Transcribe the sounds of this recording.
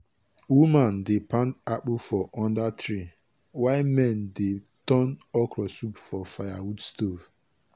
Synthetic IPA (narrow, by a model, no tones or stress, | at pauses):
wumãndepãntak͡pufɔʔɔ̃ndatɾi | waɪmɛ̃ndetɔnɔkɾɔsupfɔfajawudstov